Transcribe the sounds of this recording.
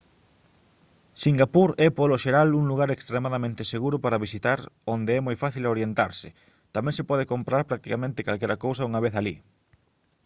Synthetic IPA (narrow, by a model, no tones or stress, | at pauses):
siŋɡapuɾɛpoloʃeɾaluŋluɣaɾekst̪ɾemaðamẽnt̪ɪseɣuɾʊpaɾaβisit̪aɾond̪eɛmojfaθiloɾjent̪aɾsɪ | t̪amɛ̃ŋsepɔðekompɾaɾpɾak̚t̪ikamẽnt̪ɪkalkɛɾakowsauŋaβ̞eθalḭ